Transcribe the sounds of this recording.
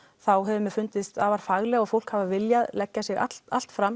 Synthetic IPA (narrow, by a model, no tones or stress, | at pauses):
θawɦɛvʏmɛfʏnt̪ɪst̪avaɾ̥faɣlɛɣɔðfowl̥khavavɪljaðlɛcːasɪɣa̰t̪a̰l̥t̪fɾam